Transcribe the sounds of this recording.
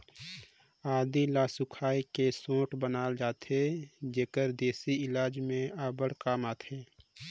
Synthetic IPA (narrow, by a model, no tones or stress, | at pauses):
aːd̪ilaːsʊkʰaːikesõːʈbənaːld͡ʒaːt̪ʰed͡ʒeːkəɾd̪eːsiɪlaːd͡ʒmẽaːbəɽkaːmaːt̪ʰeː